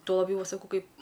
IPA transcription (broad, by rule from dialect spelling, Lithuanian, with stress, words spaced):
tuɔ lˠɐˈbʲjɛʊ ˈʋɐ sɐˈkɐʊ ˈkɐɪp